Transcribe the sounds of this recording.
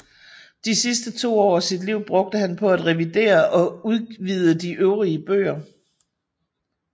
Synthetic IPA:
d̥isisd̥ət͡sʰo̝̰ːɒ̰ːsid̥liʊ̰b̥ʁɔ̽ɡ̥̚d̥əɦænpʰɒ̽æd̥ʁɛʋid̥e̝̰ːɐʔɒ̽uð̞ˠʋið̞ˠəd̥iʔøʊʁiəb̥ø̰ːɐ

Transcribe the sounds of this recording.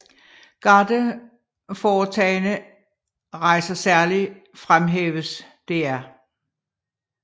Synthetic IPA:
ɡ̥ɑ̈d̥ə | fɒːt͡sʰɛːɪnə | ʁɑ̈ɪ̰sɐsæɐli | fʁamɦḛːʋəs | d̥e̝æɐ

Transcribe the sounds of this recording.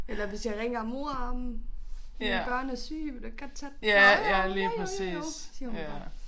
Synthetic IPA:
elɐʋe̝sjɑ̈ɪʁɛŋ̰ɐmo̝ɐɑ̈ːmn̩ | eb̥ɶɐ̰næsy̰ːmd̥eɡ̥ɒd̥t͡sʰɛd̥æjæliːpʰʁɛsḭːssiɐhu̥ɑ

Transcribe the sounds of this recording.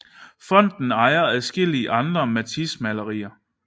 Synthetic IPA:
fɒ̽n̰d̥n̩ɑ̈ɪɐæðˠsɡ̥e̝l̰iəʔɑ̈nd̥ʁɐmæt͡sʰismælɐʁḭːɐ

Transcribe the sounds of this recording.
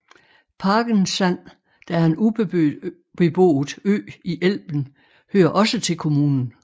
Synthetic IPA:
pʰɑ̈ːɡ̥ən̩sæn̰ | d̥æenub | b̥e̝b̥o̝̰ːð̩ˠø̰ːiʔel̰b̥n̩ | høːɐʔɒ̽sət͡sʰe̝lkʰo̝muːnn̩

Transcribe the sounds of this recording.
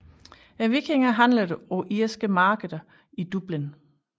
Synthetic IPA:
æʋikʰeŋɐɦænlɐdəɒʔiɐsɡ̥əmɑ̈ːɡ̥əɐ | id̥ub̥lin

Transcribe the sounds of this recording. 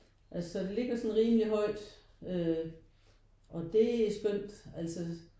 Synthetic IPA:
ʔælsɒd̥e̝le̝ɡ̥ɐsɒ̽nʁiːmliɦɒ̽ɪ̰d̥ | ø | ʔɒ̽d̥e̝æsɡ̥øn̰d̥æl̰sɒ

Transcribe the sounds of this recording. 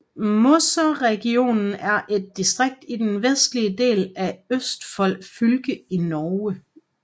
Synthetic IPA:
mosɐʁɛɡ̥io̝̰ːnn̩æɐʔe̝d̥̚ːisd̥ʁeɡ̥̚d̥id̥enʋesd̥liəd̥e̝̰ːlæøsd̥fɒ̽l̰ɡ̥fylɡ̥əinɒːə

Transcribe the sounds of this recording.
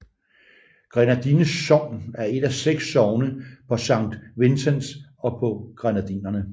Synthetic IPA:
ɡ̥ʁɛnæd̥inəsːɒ̽ʊ̰næɐe̝d̥æseɡ̥sːɒʊnəpʰɒ̽sɑ̈ŋ̰d̥ʋe̝nsənsɒ̽pʰɒ̽ɡ̥ʁanæd̥inɐnə

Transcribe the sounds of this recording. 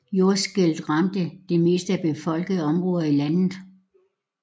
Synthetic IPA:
jo̝ɐsɡ̥eld̥ʁɑmd̥əd̥e̝me̝ːsd̥əæb̥e̝fɒ̽l̰ɡ̥əð̩ˠɒ̽mʁɔ̽ːðˠɐilænð̩ˠ

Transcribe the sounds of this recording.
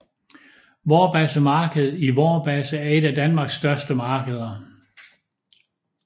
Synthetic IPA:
ʋɒːb̥æsəmɑ̈ːɡ̥əð̩ˠiʋɒːb̥æsəæɐe̝d̥æd̥ænmɑ̈ːɡ̥sd̥ɶɐsd̥əmɑ̈ːɡ̥əð̞ˠɐ

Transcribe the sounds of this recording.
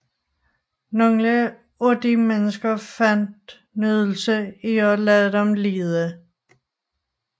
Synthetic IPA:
nɔŋlə | ɔd̥imenəsɡ̥ɐfæn̰d̥ | nyðˠl̩səiɒlɛðˠdɒmliːðˠə

